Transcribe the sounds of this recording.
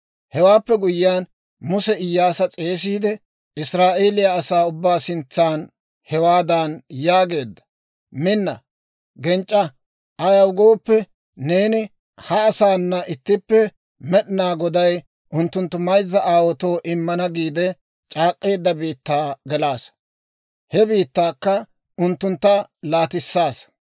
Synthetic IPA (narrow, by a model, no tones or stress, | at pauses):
hɛwaːpːɛɡʊjɪjaːn | mʊsɛɪjːaːsɐt͡sʼe̞ːs̬iːd̪ɛ | ɪsɾaːʔe̞ːlɪjaːsaːʊbːaːsɪnt͡sːaːn | hɛwaːd̪ɐnjaːɡe̞ːd̪ːɐ̥ | mɪnːɐ̰ | ɡɛnt͡ʃʼːɐ | ʔɐjɐwɡoːpːɛ | ne̞ːnɪ | hɐːsaːnːɐʔɪt̪ːɪpːɛ | mɛɗɪnaːɡɔd̪ɐj | ʔʊnt̪ːʊnt̪ːʊmɐjzːɐʔaːwɔt̪oːʔɪmːɐnɐɡiːd̪ɛ | t͡ʃʼaːkʼːe̞ːd̪ːɐbiːt̪ːaːɡɛlaːs | hɛbiːt̪ːaːkːɐ | ʊnt̪ːʊnt̪ːɐlaːt̪ɪsːaːs